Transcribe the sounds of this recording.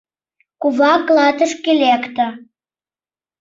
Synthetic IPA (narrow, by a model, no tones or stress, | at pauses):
kuβɑkːlˠɑt̪ə̆ʃkelʲekt̪ə